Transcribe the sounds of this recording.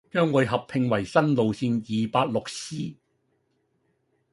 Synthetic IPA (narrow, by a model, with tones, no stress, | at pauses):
t͡ʃœː˥ŋwɔ˨˧jɦɐ˨pʰɪ˨˧ŋwɐ˨˩jsɐ˥nlo˨wsiː˧njiː˨paː˧t̚lʊ˨k̚siː˥